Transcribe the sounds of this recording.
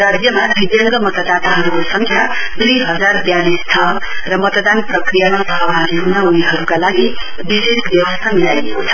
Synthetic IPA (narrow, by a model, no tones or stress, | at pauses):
rad͡zjʌmad̪ʱid̪jʌŋɡʌmʌt̪ad̪at̪aɦʌɾukosʌŋkʰja | t̪riɦʌd͡zarbjalist̪ʰʌ | rʌmʌt̪d̪anprʌkrijamasʌɦʌbʱaniɦunauniɦʌɾukalaɡi | bisesbjʌwʌst̪ʰamilajlekot͡sʰʌ̥